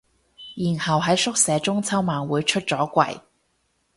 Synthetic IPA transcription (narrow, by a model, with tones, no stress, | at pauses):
jiː˨˩nhɐ˨wɦɐ˨˥jsʊ˥k̚sɛː˨˧t͡sʊ˥ŋt͡sʰɐ˥wmaː˨nwuː˨˧jt͡ʃʰɵ˥t̚t͡sɔː˨˥kʷɐ̰˧˩j